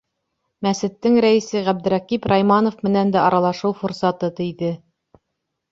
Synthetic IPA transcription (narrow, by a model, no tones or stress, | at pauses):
mæsɘ̆t̪ːɘŋɾæĭsɘʁæb̚d̪ɘ̆ɾæqipɾɑjmɑnŏfmɘ̆nænd̪æʔɑɾɑlˠɑʃɤwfŏɾsɑt̪ɤt̪iðɘ